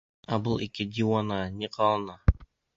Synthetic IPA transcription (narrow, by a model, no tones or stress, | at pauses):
abɤlˠikɘd̪ʲiwanɑnʲiqʰɑlˠɤnɑ